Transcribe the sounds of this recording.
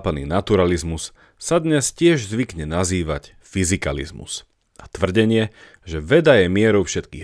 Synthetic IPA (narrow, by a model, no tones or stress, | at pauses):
panḭːnat̪uɾalizmus | sad̪ɲɛscɪɛʒzʋikɲɛnaziːʋa̰c | fizika̰lḭzmṵs | at̪ʋr̩ɟɛɲɪɛ | ʒɛʋɛd̪ajɛmɪɛɾɔʊfʃɛt̪kiː